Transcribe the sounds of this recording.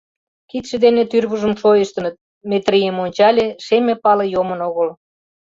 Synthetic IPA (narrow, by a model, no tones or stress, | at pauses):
kit̪ʃĕd̪enet̪yrβuʒəmʃojəʃt̪ə̆nət̪̚ | mʲet̪rʲijəmonʲt͡ɕɑlʲeʃemepɑlejomənoɣəl